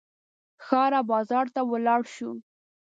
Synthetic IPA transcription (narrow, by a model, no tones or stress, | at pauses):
xɑɾabɑzɑɾt̪awəlɑɽʃu